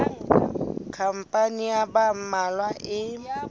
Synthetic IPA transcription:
kʰam̩pʼaniabamalwaʔɪ

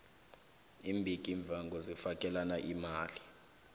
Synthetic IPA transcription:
imbʱikʼiɱb̪vʱaŋɡʱɔzifakʼɛlanaʔimaːli

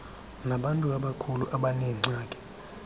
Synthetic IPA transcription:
naɓantʼuaɓakʰuluʔaɓanɛŋ͡ǀaːkʼɛ̥

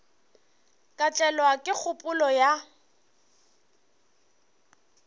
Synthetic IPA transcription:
kʼat͡ʃʼɛlwakʼɪk͡xʰʊpʼʊlɔja

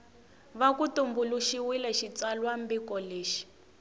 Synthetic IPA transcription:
βakutumbuluʃiwilɛʃit͡salwambikɔleːʃi̥

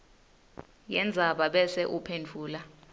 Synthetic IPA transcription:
jɛnd͡zʱaɓaɓɛsɛʔupʰent͡fʰuːla

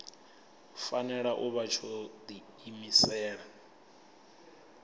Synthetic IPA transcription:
fanɛɺaʔuβat͡ʃʰɔd̪i | imisɛːɺa

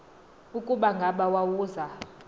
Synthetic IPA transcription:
ukʼuɓaŋɡʱaɓawawuːza

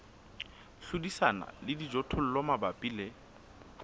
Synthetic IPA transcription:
ɬudisana̰lɪdid͡ʒɔtʰʊl̩lɔmabapʼile

